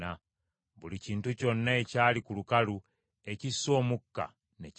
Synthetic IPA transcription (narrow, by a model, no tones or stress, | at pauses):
a | βuliciːntuco̞nːaecaːlikulukalu | e̞cisːo̞ːmukːa̰ | ne̞c